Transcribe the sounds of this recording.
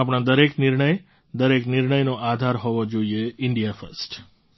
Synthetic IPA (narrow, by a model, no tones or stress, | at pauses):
apɽ̃ãd̪əɾeknɪɾɳəj | d̪əɾeknɪɾɳəjnoʔad̪ʱaɾɦoʋod͡ʒoieɪɳɖijafə̰sʈ